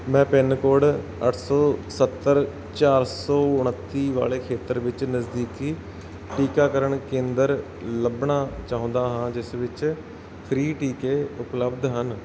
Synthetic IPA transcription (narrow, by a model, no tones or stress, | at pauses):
mɛ̃ːpɪnkoːɽ | əʈʰsɔːsət̪ːəɾ | t͡ʃaːɾsɔːʊɳət̪ːiːʋa̰ːleːkʰeːt̪əɾʋɪt͡ʃnəzd̪iːkiː | ʈiːkaːkəɾəɳkẽːnd̪əɾ | ləbɳaːt͡ʃaːɦʊ̃nd̪aːɦãːd͡ʒɪsʋɪt͡ʃ | pʰɾiːʈiːkeːʊpləbd̪ɦən